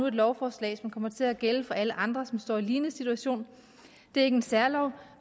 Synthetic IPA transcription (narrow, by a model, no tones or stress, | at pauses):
ue̝d̥lɒʊfɒːslɛ̰ɪsmnkʰɒ̽m̰ɐt͡sʰe̝æɡ̥eləfɒ̽æləʔɑ̈nd̥ʁɐsɒ̽msd̥ɒ̰ːiliːnəsit͡sʰuæɕo̝̰ːn | d̥e̝ɐe̝ɡ̥əensæɐlɒʊ